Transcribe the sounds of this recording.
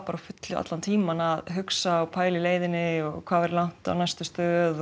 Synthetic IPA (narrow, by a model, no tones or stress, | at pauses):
paːɾafʏt̪lʏa̰t̪lant̪ʰiːmanaðɦʏksawpʰaːjlɪleːjðɪnɪɔ̰ɣkʰvaːðvɛɾlawŋ̥t̪a̰wnajst̪ʏst̪œːð